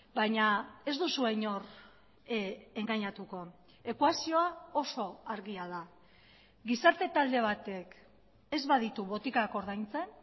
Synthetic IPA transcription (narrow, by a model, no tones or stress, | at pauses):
baɲae̞zd̪usueɲo̞r | e̞ŋɡaɲat̪uko̞ | e̞kwasio̞ao̞so̞aɾɣiað̞a | ɡisaɾt̪e̞t̪ald̪e̞β̞at̪e̞k | e̞zβað̞it̪uβo̞t̪ikako̞ɾðajnt͡se̞n